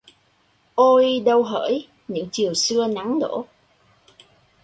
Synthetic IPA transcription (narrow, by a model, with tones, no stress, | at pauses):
ʔo˧jɗə˧wɦəː˧˩j | ɲɨ̰˧˥ŋt͡ɕi˨˩əwsɨ˧əna˨˦ŋɗo̰˧˩